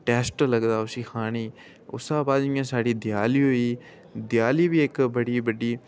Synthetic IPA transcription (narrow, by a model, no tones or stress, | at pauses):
ʈɛːsʈləɡd̪aːʊsiːkʰaːɽ̃iː | ʊ̰sãːbaːd̪ɪ̃ãːsaːɽiːd̪ɪjaːliːɦoiː | d̪jaːliːbiːɪkbəɽiːbəɖiː